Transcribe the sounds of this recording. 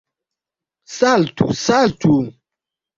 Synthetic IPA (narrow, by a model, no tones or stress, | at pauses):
saltʰṵsaltu